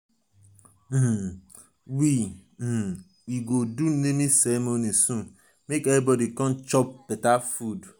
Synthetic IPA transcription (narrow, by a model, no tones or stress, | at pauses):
wi | iɡodun̩nemisemonisũ | mekebɔdikɔ̃n̩t͡ʃɔp̚petafud